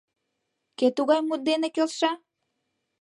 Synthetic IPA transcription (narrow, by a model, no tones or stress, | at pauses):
ket̪uɣɑjmut̪̚d̪enekølʃɑ